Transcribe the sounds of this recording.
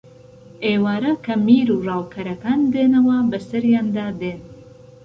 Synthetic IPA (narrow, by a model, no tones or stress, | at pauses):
eːwaːɾɐkʰɐmiːɾuːrɑːwkʰɐɾɐkaːnd̪enɐwɐbɐsɐɾjaːnd̪aːd̪en